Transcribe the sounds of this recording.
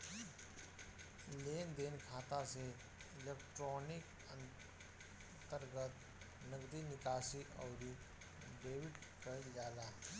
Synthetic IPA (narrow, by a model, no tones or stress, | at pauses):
leːnd̪eːnkʰaːt̪ase | ɪleːkʈɾoːnɪk | ən | t̪əɾɡət̪ | nəɡd̪inɪkaːsiʔɔːɾi | beːwɪʈkəid͡ʒaːlaː